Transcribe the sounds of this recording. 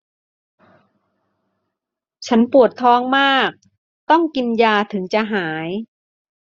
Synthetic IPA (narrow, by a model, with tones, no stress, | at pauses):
t͡ɕʰa˦˥npu˨˩ət̪ʰːɔː˦˥ŋmaː˥˩k̚ | t̪ɔ˥˩ŋki˧njaː˧t̪ʰɯ˩˦ŋt͡ɕa˨˩ɦaː˩˦j